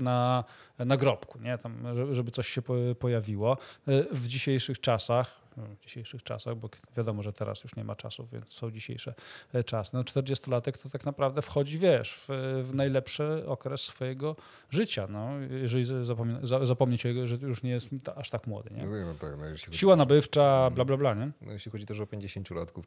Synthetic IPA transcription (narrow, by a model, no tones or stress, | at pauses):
nanaɡɾɔpkuɲɛt̪amʐɛʐɛbɘt̪sɔɕɕɛppɔjavʲiwɔvd͡ʑiɕejʂɘxt͡ʂasax | vd͡ʑiɕejʂɘxt͡ʂa̰saɣbɔvʲjad̪ɔmɔʐɛt̪ʰɛɾa̰sjuʂɲɛmʔa̰t͡ʂa̰suvvʲjɛ̰ntssɔ̃w̃d͡ʑiɕḛjʂɛt͡ʂasɘnɔt͡ʂt̪ɛɾd͡ʑɛst̪ɔlat̪ɛkt̪ɔt̪aknapɾavd̪ɛfxɔd͡ʑivʲjɛʂfvnajlɛpʂɘɔkɾɛsːfɔjɛɡɔ | ʐɘt͡ɕanɔjɛʐɛlʲizzapɔmʲnzazapɔmɲɛt͡ɕɛʐɛt̪ɔjuʂɲɛjɛst̪aʂt̪akmwɔ̰d̪ɨ̰ɲɛ̰ɔt̪a̰knɔ̰jeʃlʲiɕiwanabɘft͡ʂablablablaɲɛnɔ̰jeɕlʲixɔd͡ʑit̪ɛʂɔpʲjeɲd͡ʑeɕeɲt͡ɕulat̪kuf